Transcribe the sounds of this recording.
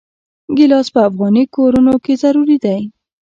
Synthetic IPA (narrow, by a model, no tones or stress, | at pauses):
ɡɪlɑspəafɣɑnikoɾunokezaɾuɾid̪aj